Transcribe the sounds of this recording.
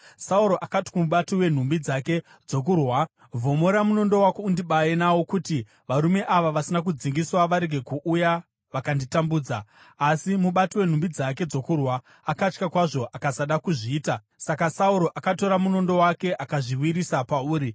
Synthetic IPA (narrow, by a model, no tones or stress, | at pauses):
sauɾo̞ʔakati̥kumuɓatowe̞n̤umbid͡zake̞ | d͡zo̞kurwa | vʱo̞moɾamuno̞ndo̞wakeundiɓajenawo̞kuti | ʋaɾume̞ʔaʋaʋasinak̬ud͡ziŋɡiswaʋaɾe̞ɡʱe̞kuʔuja | ʋakanditambuːd͡zaː | simuɓatowe̞n̤umbid͡zak̬e̞d͡zo̞kurwaː | kat͡ʃkakwaʐo̞ʔakasaɗakuʐiːta | sakasauɾo̞ʔakato̞ɾamuno̞ndo̞wake̞ʔakaʐiwiɾisapauːɾi